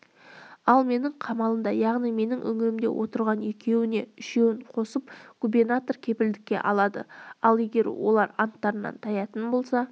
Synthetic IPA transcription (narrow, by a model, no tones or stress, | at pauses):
ɑlˠme̞nɪɴqʰɑmɑlˠəmd̪ɑjɑʁnijme̞nɪŋʔɵ̰ŋɪɾɪmd̪e̞̰wʔo̞t̪əɾʁɑnekʲe̞wɪne̞ʏʃe̞wɪɴqʰo̞səpɡ̥ubernat̪o̞rkʲʰe̞pɪld̪ɪkʲːe̞̰ʔɑlˠɑd̪ə̰ɑlˠe̞ɡʲe̞ɾwo̞̰lˠɑɾɑnt̪ːɑɾənɑ̰nt̪ʰɑjɑt̪ənbo̞lˠsɑ